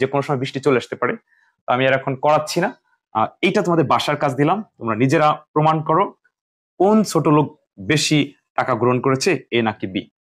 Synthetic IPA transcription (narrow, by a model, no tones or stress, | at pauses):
d͡ʑekonoʃɔmɔebɾiʃʈit͡ɕoleaʃt̪epaɾe | t̪oamiaɾɛkʰonkɔɾatːɕʰina̰ | ejʈat̪omad̪eɾbaʃaɾkat͡ɕʰd̪ilamt̪omɾanid͡ʑeɾapɾomankɔɾo | kont͡ɕʰoʈolok̚ | beʃi | ʈakaɡɾoɦonkoɾet͡ɕʰeenakibi